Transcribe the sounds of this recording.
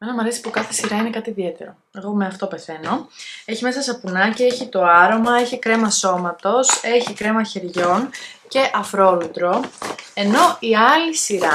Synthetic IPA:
menɐmɐɾesi̥pukɐθe̞̥siɾɐine̞kɐt̪iðie̞t̪e̞̰ɾo̞ | e̞ɣo̞me̞ɐft̪o̞pe̞θe̞no̞e̞çimesɐsɐpunɐcee̞çit̪o̞ɐɾo̞mɐeçikɾe̞mɐso̞mɐt̪o̞se̞çikɾe̞mɐçe̞ɾʝo̞nce̞ʔɐfɾo̞lut̪ɾo̞e̞no̞iɐlisiɾɐ

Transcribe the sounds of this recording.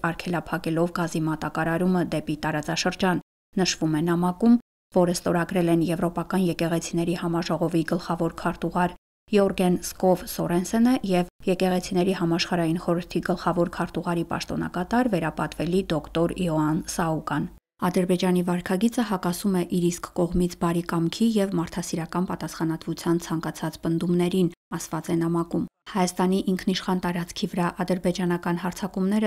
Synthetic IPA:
ɑɾkʰɛlɑpʰɑkɛlɔvɡɑzimɑt̪ɑkɑɾɑɾuməd̪ɛpit̪ɑɾɑt͡sɑʃəɾd͡ʒɑnː | əʃvumɛnɑmɑkum | vɔɾəst̪ɔɾɑɡɾɛlɛnjɛvɾɔpɑkɑnjɛkɛʁɛt͡sʰinɛɾihɑmɑʒɔʁɔviɡəlχɑvɔɾkʰɑɾt̪uʁɑɾ | jɔɾɡɛnskɔvsɔɾɛnsɛnəjɛvjɛkɛʁɛt͡sʰinɛɾihɑmɑʃχɑɾɑjinχɔɾəɾt̪ʰiɡəlχɑvɔɾkʰɑɾt̪uʁɑɾipɑ̰ʃt̪ɔnɑ̰kɑt̪ɑɾvɛɾɑpɑt̪vɛlid̪ɔkt̪ɔɾjɔɑnsɑukɑn | ɑd̪əɾbɛd͡ʒɑnivɑɾkʰɑɡit͡səɦɑkɑsumɛʔiɾiskːɔʁmit͡sʰbɑɾikɑmkʰijɛvmɑɾt̪ʰɑsiɾɑkɑnpɑt̪ɑsχɑnɑt̪vut͡sʰjɑnt͡sʰɑŋkɑt͡sʰɑt͡spənd̪umnɛɾinɑsvɑt͡sɛnɑmɑkumhɑjɑst̪ɑniʔiŋkʰniʃχɑnt̪ɑɾɑt͡sʰkʰivəɾɑʔɑd̪əɾbɛd͡ʒɑnɑkɑnɦɑɾt͡sʰɑkumnɛɾə

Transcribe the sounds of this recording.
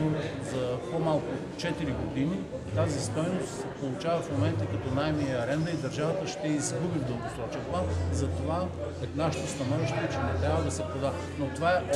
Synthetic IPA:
ozɐpomalˠkʊ | t͡ʃɛt̪iɾiɡod̪ini | t̪azist̪ɔjnost̪sɛpolˠʊt͡ʃavɐfmomɛnt̪əkɐt̪ɔnajmiəɐɾɛnd̪ɐid̪ɐɾʒavɐt̪əʃt̪ɛizɡubivd̪ɐmosɾɔt͡ʃiplˠanizɐt̪ova | naʃɪt̪ost̪ɐnɔviʃt̪ɛt͡ʃɛnɛt̪ɾʲavɐd̪ɐsɛpɾod̪a | not̪ovaɛ

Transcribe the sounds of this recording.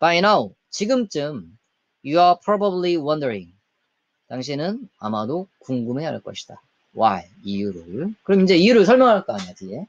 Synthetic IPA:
b̥ajnaw | t͡ɕiɡɯmt͡ɕ͈ɯm | juapʰɾʌbabliwʌndəɾḭ̃ŋ | taŋɕʰinɯna̰madokuŋɡume̞a̰ɭk͈ʌɕʰi̥d̥a | waj | ijuɾɯɭkɯɾʌmind͡ʑe̞ijuɾɯɭsʰʌɭmjʌŋɦaɭk͈ʌaɲatiɡe̞

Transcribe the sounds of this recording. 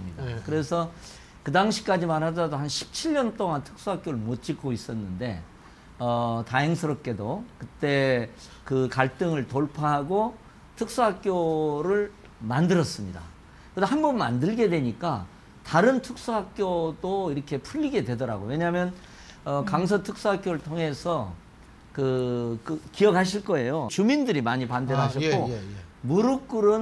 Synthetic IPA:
ɯmɲidakɯɾe̞sʰʌ | kɯdaŋɕʰi̥k͈ad͡ʑimaɾɦadadohanɕʰi̥p̚t͡ɕʰiʎːʌnt͈oŋantʰɯ̥k̚s͈uɦak͈joɾɯɭmot͡ɕ͈ik͈ʰois͈ʌnːɯnde̞̰ | ʌtaɦjeŋsʰɯɾʌp̚k͈e̞dokɯt͈e̞ | kɯkaɭt͈ɯŋɯɭtoɭpʰaɦaɡo | tʰɯk̚s͈uɦak̚k͈joɾɯɭ | mandɯɾʌs͈ɯmɲida̰ | keshambʌnma̰ndɯɭɡe̞dwe̞ɲik͈a | taɾɯntʰɯk̚s͈uɦak̚k͈jodoiɾʌkʰe̞pʰuʎːiɡe̞dwe̞dʌɾa̰ɡo̰we̞ɲaɦamjʌn | ʌkaŋs̬ʰʌtʰɯk̚s͈uɦak͈joɾɯɭtʰoŋe̞sʰʌ | kɯkɯkiʌk̚ʰaɕʰiɭk͈ʌe̞jot͡ɕumindɯɾimaɲipandenɦaɕʰʌkkk͈omuɾuk͈ɯɾɯn

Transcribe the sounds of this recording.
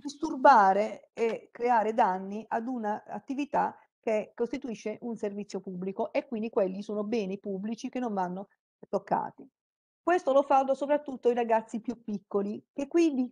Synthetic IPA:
d̪ist̪urbaːɾeekɾeaːɾed̪anːiʔad̪unaa̰t̪ːivit̪a | kekːost̪it̪uiʃːeʔunservit̪sːjopubːlikoʔekːwind̪ikwelːisoːnobɛːnipubːlit͡ʃik̟enːoɱvanːo | t̪okːa̰ːt̪i | kwest̪olofald̪osopɾat̪ːut̪ːoiɾaɡat̪sːipjupːikːolikekːwind̪i

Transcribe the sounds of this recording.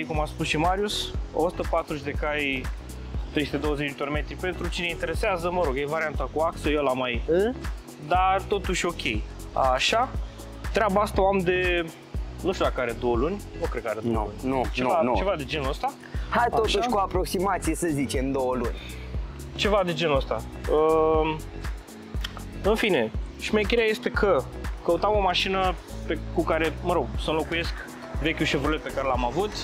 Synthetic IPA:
ekumaspusʃimaɾiuso̰su̥t̪əpat̪ɾuʒd̪e̞kaj | t̪ɾest̪ed̪o̞wəzet͡ʃit̪orme̞t̪ɾipe̞nt̪ɾut͡ʃine̞int̪eɾeseazəməɾo̞ɡjejvaɾiant̪akuaksəjalamaij | d̪at̪o̞t̪uʃʲo̞kʲʰe̞j | a̰ʃa | t̪ɾeabaast̪aoamd̪e̞ | nuʃt̪ʲulakaɾe̞d̪o̞wəlunʲnukɾekaɾed̪olunʲut͡ʃevat͡ʃevad̪ed͡ʒe̞nuəst̪a | hajt̪ot̪uaʃkuapɾo̞ksimat̪sijesəzit͡ʃe̞md̪o̞wəlunʲ | t͡ʃe̞vad̪e̞d͡ʒenuəst̪aə | ɨnfine̞ʃimejkʲeɾeaje̞st̪e̞kʰəkəut̪amo̞maʃinəpekukaɾe̞məɾo̞ɡ̚sənlo̞kuje̞sk | vekʲuʃivɾulet̪̚pe̞kaɾe̞lamavut̪

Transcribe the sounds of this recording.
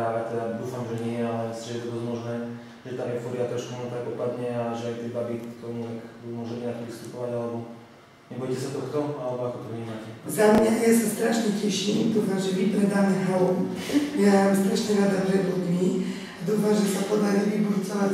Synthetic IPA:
alɛt̪ɛd̪ad̪uːfamʒɛɲɪɛjɛalɛsʒɛjɛt̪ɔd̪ɔzmɔʒnɛː | ʒɛt̪amjɛfɔbiat̪ɾɔʃkumɔɛnt̪akpɔpad̪ɲɛaʒɛajt̪ɛbabit̪ɔɲɛt̪akbimʊɔʒɛmɛnat̪ɔʋist̪upɔʋaɟalɛbɔ | ɲɛbɔjcɛsat̪ɔkt̪ɔalɛbɔakɔt̪ɔvɲimaːcɛzamɲajasast̪ɾaʃɲɛcɛʃimd̪uːfamʒɛʋipɾɛd̪aːmɛɦɔmmjaamst̪ɾaʃɲɛɾad̪apɾɛbud̪mi | ad̪uːfamʒɛsapɔd̪aɾiʋibuɾt͡sɔʋa

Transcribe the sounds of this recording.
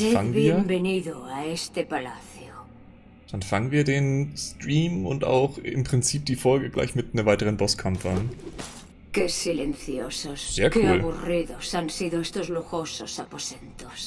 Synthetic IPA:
seaŋənβiiːeɐmbeniðoaest̪epala̰θjo | d̥anfaŋənviːɐdeːnstʁiːmʊ̰nta̰ʊχɪ̰mpʁ̥ɪnt͡siːp̚d̥iːfɔlɡəɡla̰ɪçmɪtnəvaɪtəʁ̞ənbɔskʰamfəan | kesilenθjo̰sosz̥eːɐkʰuːalβuriðosansiðoest̪ozluxososaposent̪os

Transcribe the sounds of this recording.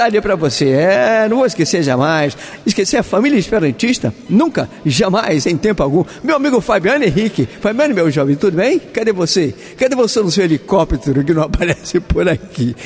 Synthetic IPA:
d̪ad͡ʒiɐpɾɐvoseɛnɐ̃w̃vowɪskeseɾʒamajs | ɪskeseɾɐfamilʲiɐɪspeɾɐ̃nt͡ʃiʃt̪ɐnũkɐʒamajzẽj̃t̪ẽmpʊawɡũ | mewamiɡʊfabiɐ̃nʊẽɦikɪfabiɐ̃nɪmewʒɔvẽt̪ud̪ʊbẽj̃kad̪evose | kɐd̪evosenʊ̃sewelikɔpt̪eɾʊk̬ɪnɐ̃w̃apaɾɛsɪpoɾaki

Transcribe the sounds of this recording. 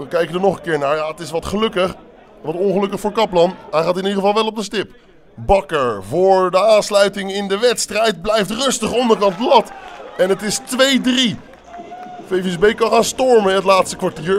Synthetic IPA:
ʋəkɛjkəndənɔχə̃nkɪːɹnaːɹjaːətɪsʋɑtχəlɵkəχ | ʋɑtɔnχəlɵkəχfʊːɹkɑplɑnɦajχaːtɪnidχəvɑlˠʋɛlˠɔb̚dəstɪp | bɑkəɹvʊːɹdəaːnslœɥtɪŋɪndəʋɛtstrɛjt̚blɛjftrɵstəχɔndəɹkɑnt̚blɑtɛnətɪstʋejdri | fejvɪzbejkɑnχaːnstɔɹməɪətlaːtstəkʋaɹtiːɹ

